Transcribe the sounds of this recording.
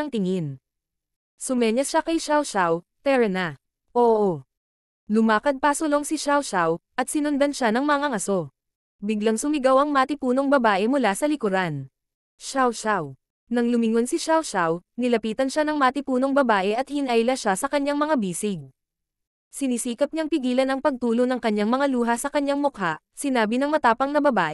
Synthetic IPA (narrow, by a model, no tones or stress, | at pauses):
ɐŋt̪ɪŋɪn | sʊmɛɲɐsʃakɐjʃawʃawt̪ɛɾɛna | ʔoːʔo | lʊmaːkɐd̪̚pɐsʊlo̞ŋsɪʃawʃawʔɐt̪̚sɪnɐnd̪ɐnʃanɐŋmɐŋaŋɐso̞ | bɪɡlaŋsʊmɪɡawɐŋmaːt̪ɪpuːno̞ŋbɐbaːʔɛmʊlasɐlɪkʊɾan | ʃawʃaw | nɐŋlʊmɪŋo̞nsɪʃawʃawnɪlɐpiːt̪ɐnʃanɐŋmaːt̪ɪpuːnoŋbɐbaːʔɛʔɐt̪̚hɪnʔajlɐʃasɐkɐɲːaŋmɐŋabiːsɪɡ̚ | sɪnisiːkɐp̚ɲaŋpɪɡiːlɐnɐŋpɐɡ̚t̪uːlonɐŋkɐɲaŋmɐŋaluːɦɐsɐkɐɲaŋmʊkhaʔ | sɪnaːbɪnɐŋmɐt̪aːpɐŋnɐbɐbaːʔɛ